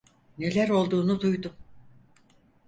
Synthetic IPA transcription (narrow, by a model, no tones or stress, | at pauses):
ne̞lʲæɾo̞lˠd̪uːnud̪ujd̪um